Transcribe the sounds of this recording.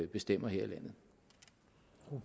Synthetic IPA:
b̥e̝sd̥em̰ɐɦeɐ̰ilæn̰ð̩ˠ | u

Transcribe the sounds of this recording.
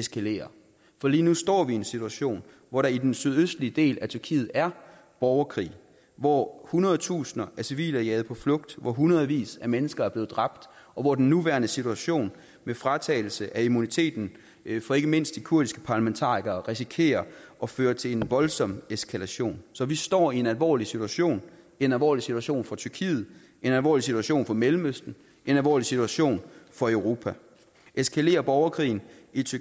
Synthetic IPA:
e̝skʰæle̝̰ːɐ | fɒ̽liːnusd̥ɒ̰ːʋie̝nsit͡sʰuæɕo̝̰ːn | ʋɒɾɑ̈id̥ensyð̞ˠøsd̥liəd̥e̝̰ːlæt͡sʰyɐkʰḭːð̩ˠæɐ | b̥ɒʊɐkʰʁḭː | ʋɒhunɐð̞ˠt͡sʰṵːsnɐʔæɐsiʋḭːlæiɛ̰ːð̞̩ˠpʰɒ̽flɔ̽ɡ̥̚d̥ʋɒɦunɐðˠʋḭːsæɐmenəsɡ̥ɐæɐb̥le̝ːð̩ˠd̥ʁɑ̈b̥̚d̥ʔɒ̽ʋɒd̥en̩ːuʋæɐnəsit͡sʰuæɕo̝̰ːn | mefʁɑ̈t͡sʰɛ̰ːɪl̩səʔæimunit͡sʰe̝̰ːd̥n̩ | fɒ̽e̝ɡ̥əme̝n̰sd̥ikʰuɐd̥isɡ̥ə̥pʰɑ̈ːlæment͡sʰɑ̰̈ːʁiɡ̥ɐʁisikʰe̝̰ːɐʔɒ̽føːɐt͡sʰe̝le̝nʋɒ̽lsɒ̽meskʰælæɕo̝̰ːnsɒ̽ʋisd̥ɒ̰ːie̝nælʋɒ̰ːlisit͡sʰuæɕo̝̰ːn | e̝nælʋɒ̰ːlisit͡sʰuæɕo̝̰ːnfɒ̽t͡sʰyɐkʰḭːð̞̩ˠ | e̝nælʋɒ̰ːlisit͡sʰuæɕo̝̰ːnfɒ̽melm̩øsd̥n̩ | ʔe̝nælʋɒ̰ːlisit͡sʰuæɕo̝̰ːnfɒ̽øʊʁo̝ːpʰæ | e̝skʰæle̝̰ːɐb̥ɒʊɐkʰʁḭːn̩it͡sʰy

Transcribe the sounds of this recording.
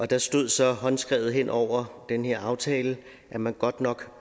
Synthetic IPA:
ʔɒ̽d̥ɑ̈sd̥o̝ð̞̰ˠsɒ̽hɒ̽nsɡ̥ʁɛːʊð̞̩ˠɦen̰ʔɒʊ̰ɐd̥enhe̝ɐ̰ɑ̈ʊt͡sʰɛːlə | ʔæmænɡ̥ɒ̽d̥nɒ̽ɡ̥

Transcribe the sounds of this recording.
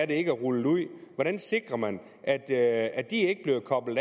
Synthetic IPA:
ɐde̝e̝ɡ̥əæʁuluð̰ˠʋɒɾ̥ænse̝ɡ̥ʁɐmæn | ʔæd̥æd̥ie̝ɡ̥əb̥le̝ʊkʰɒ̽b̥l̩̥ˠ

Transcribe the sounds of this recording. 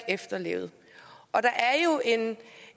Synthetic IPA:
efd̥ɐle̝ʊð̩ˠ | ɒ̽d̥ɑ̈ʔæɐjo̝ʔe̝n

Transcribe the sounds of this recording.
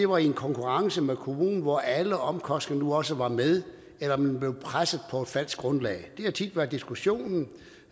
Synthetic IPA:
de̝ʋɑ̈ienkʰɒ̽ŋkʰuʁɑ̈ŋsəmekʰo̝mṵːnn̩ʋɒʔæləɒ̽mkʰɒ̽sd̥n̩nuɒ̽səʋɑ̈með̞ˠ | elɐmænb̥le̝ʊpʰʁasəð̩ˠpʰɒ̽e̝d̥fæl̰sɡ̥̚ɡ̥ʁɔ̽nlɛ̰ːɪd̥e̝hæt͡sʰid̥ʋæɐd̥isɡ̥uɕo̝̰ːnn̩

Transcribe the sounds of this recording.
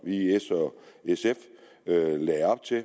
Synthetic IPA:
ʋiesɒesef | ølɛɪɑb̥̚t͡sʰe̝

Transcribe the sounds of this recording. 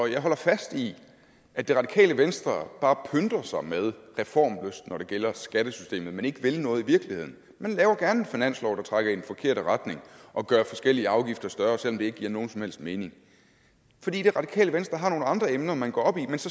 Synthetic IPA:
ɒjɑ̈ɪɦɒ̽l̰ɐfæsd̥i | ʔæd̥eʁɑ̈d̥ikʰɛ̰ːləʋensd̥ʁɐb̥ɑ̈ːpʰønd̥ʁɐsɑ̈ɪmeð̞ˠʁɛfɒ̰ːmløsd̥nɒɾ̥e̝ɡ̥el̰ɐsɡ̥æɾ̥əsy̥sd̥ḛːmð̞̩ˠmene̝ɡ̥əʋe̝lnɔ̽ːð̩ˠiʋiɐɡ̥lihe̝ð̰ˠn̩ | mænlɛːʊɐɡ̥æɐne̝finæn̰slɒʊd̥ɑ̈t͡sʰʁɑɡ̥ɐe̝nfɒ̽kʰe̝ɐ̰ɾ̥əʁɑd̥ne̝ŋʔɒ̽ɡ̥ɶːɐfɒ̽sɡ̥el̰iəɑ̈ʊɡ̥ifd̥ɐsd̥ɶɐsel̰ɒ̽md̥e̝e̝ɡ̥ə̥ɡ̥iːɐ̰no̝ːn̩sɒ̽mhel̰sd̥me̝ːne̝ŋ | fɒd̥ḭːd̥e̝ʁɑ̈d̥ikʰɛ̰ːləʋensd̥ʁɐɦɑ̈no̝ːləɑ̈nd̥ʁɐemnɐmænɡ̥ɒ̰ɒ̽b̥imensɒ̽

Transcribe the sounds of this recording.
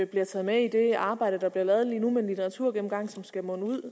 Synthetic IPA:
b̥liɐt͡sʰɛðˠmeid̥e̝ɑ̈ːb̥ɑ̈ɪ̰d̥əd̥ɑ̈b̥liɐlɛːð̞̩ˠliːnumenlit͡sʰeʁɑt͡sʰuɐ̰ɡ̥em̩ɡ̥ɑ̈ŋ̰sɒ̽msɡ̥æmɔ̽nəuð̰ˠ

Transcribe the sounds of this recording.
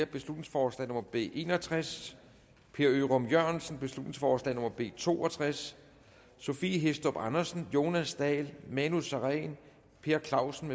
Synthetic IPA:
ɐb̥e̝slud̥ne̝ŋsfɒːslɛ̰nɔ̽mɐb̥e̝̰ːʔe̝̰ːnɒt͡sʰʁas | pʰe̝ːɐøʁɒ̽mjøɐ̰nsn̩b̥e̝slud̥ne̝ŋsfɒːslɛ̰no̽mɐb̥e̝̰ːt͡sʰo̝̰ːɒt͡sʰʁasː | o̝fiɦesd̥ɒ̽b̥ɑnɐsn̩jo̝ːnæsd̥ɛːlmænusɑʁɛɪn | pʰe̝ːɐkʰlɑ̈ʊsn̩me

